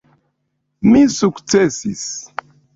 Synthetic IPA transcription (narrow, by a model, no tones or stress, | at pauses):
misukt͡sesis